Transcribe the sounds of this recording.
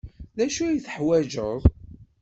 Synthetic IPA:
ðæʃujθəħwæd͡ʒəðˤ

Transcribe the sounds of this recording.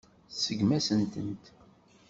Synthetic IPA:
səɡmæsənt̪ənt̪

